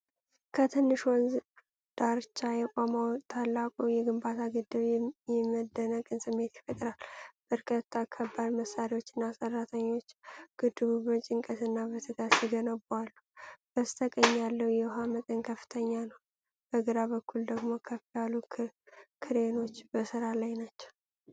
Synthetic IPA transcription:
kʰət̪ʰɨnːɨʃwɔnz | d̪̥aɾt͡ʃːajɛkʷʼamawt̪ʰalːakʼowjɛɡɨmbat̪ʰaɡɨd̪ːɨβjɛməd̪ːənəkʼɨnsɨmːe̞t̪jɛ̥fət̪ʼəɾalb̥əɾkʰət̪ʰːakʰːəbːalməsaɾiwot͡ʃːɪnːasərːat̪ʰəɲːo̞t͡ʃːɡ̥ɨd̪ːɨβuβət͡ʃʼɪŋkʼət̪ɨnːaβət̪ʰəɡ̪asiɡənəbalːub̥əst̪ʰəkʼəɲːalːəwjɛwɦamət̪ʼənkʰəfːɨ̥t̪ʰəɲːanəw | b̥əɡɨɾaβəkʰːuld̪əɡmo̞kʰəfialu | kʰɨɾeno̞t͡ʃːbəsɨɾalajnat͡ʃːɛ̥w

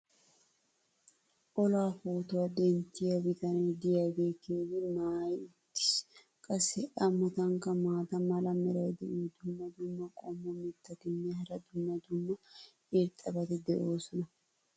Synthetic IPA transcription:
ʔɔlaːfuːt̪ʊwɐd̪ɛnt̪ːɪjɐwɪt̪ɐnɐd̪ɪjɐɡeːkeːɡɪmaːjɪt̪ːɪ̥s | kʼɐsɛʔɐmːɐt̪ɐŋkɐmaːt̪ɐmɐlɐmɛɾɐwd̪ɛʔuːd̪ʊmːɐd̪ʊmːɐkʼɔmːɔmɛt̪ːɐkɪnːɛɦɐɾɐd̪ʊmːɐd̪ʊmːɐ | eɾt̪ʼːɐbɐt̪ɪd̪ɛʔo̞ːsɔnɐ

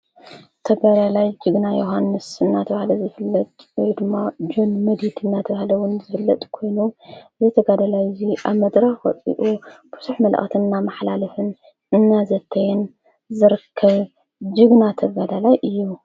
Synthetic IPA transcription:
t̪ʰɐβalalajd͡ʒɨɡnajoɦanːɨsɨnːat̪ʰɐβahlɐzɨfɨlːɐt̪ʼwɔjd̪ɨmːad͡ʒo̞nmɐd̪id̪ɨnːat̪ʰɐβahlɐwʊnzɨfɨlːɐt̪ʼkʰo̞jnuzɐt̪ʰɐɡad̪alajziʔaβmɐd̪ɾaxwɐ̰t͡sʼḭʔub̥ɨsuħmɐla̰xt̪ʰɨnnːamɐħlalɐfɨn | ɨnːazɐt̪ʰːɐjɛn | zɨɾɨkʰːɐβ | d͡ʒɨɡnat̪ʰɐβalalajʔɨjːu

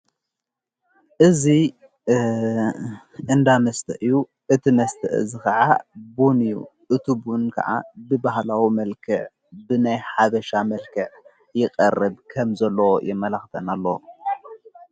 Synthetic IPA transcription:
ʔɨzi | ʔɨnd̪amɐst̪ʰɐʔɨjːu | ʔɨt̪ʰimɐst̪ʰɐ̰ʔɨ̰zikɐʕa̰bunɨjṵʔɨt̪ʰubunkʰɐ̰ʕa̰bɨbahlawimɐlkʰɨʕ | bɨnajħaβɐʃamɐlkʰɨʕ | jɪkʼɐ̰rːɨbkʰɐmzɐlːɐwojʔɛmːɐlaxt̪ʰɐnalːow

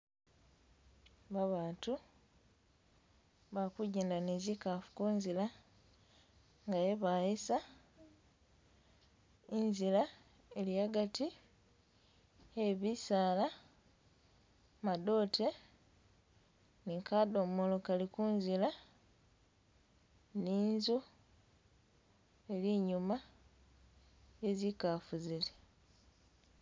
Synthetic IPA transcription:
βaβaːtu | βakuɟeːndanezikafu̥kuːnzila | ŋɡajeβajesa | inzila | eliaɡati | eβisaːla | mado̞ːtʰe̞ | nikado̞mmolo̞kalikunzila | niːnzu | e̞liɲuma | je̞zikafuzile

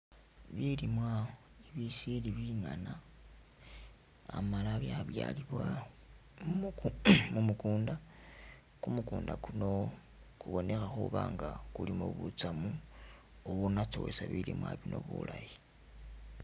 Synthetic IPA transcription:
βilimwa | eβisiliβiŋana | a̰malaβjaβja̰liβwa | m | mumukuːnda | kumukuːndakuno̞ | kuβo̞ne̞xaxuβaːŋɡakulimoβut͡samu | oβunat͡sowesaβilimwaβino̞βṵlaji

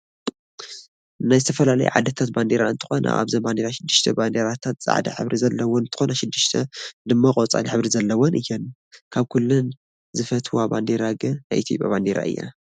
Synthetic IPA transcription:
najzɨt̪ʰɐfɐlalɐ̰jṵʕa̰d̪ɐt̪ʰat̪̚band̪eɾaɨnt̪ʰɨ̥xo̞nʔɐ̰ʔa̰βzɐband̪eɾaʃɪd̪ːɨʃt̪ʰɐband̪eɾat̪ʰat̪t͡sʼa̰ʕd̪ɐ̰ħɨ̰βɾizɐlːɐwonɨnt̪ʰɨ̥xonɐʃɨd̪ːɨʃt̪ʰɐd̪ɨmːakʼot͡sʼa̰liħɨβɾizɐlːɐwonʔɨjːɛn | kʰaβkʰulːun | zɨfɐt̪ʰwuaband̪eɾaɡɨnna̰jʔit̪ʰjopʼja̰βand̪eɾa̰ʔɨ̰jːa̰

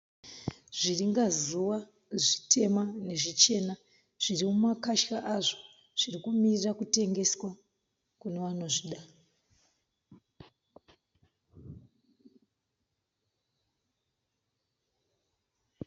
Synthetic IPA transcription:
ʐiriŋɡazuʋa | ʐi̥tʰe̞mane̞ʐit͡ʃe̞na | ʐ̥irimumakaʃkaʔaʐo̥ | ʐ̥irikumirirakute̞ŋɡe̞swa | kune̞ʋano̞ʐiɗa

